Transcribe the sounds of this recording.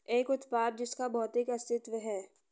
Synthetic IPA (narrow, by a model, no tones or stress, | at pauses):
eːkʊt̪paːɾ̚d͡ʒɪskabɔːt̪ɪkɐst̪ɪt̪ʋəɦɛː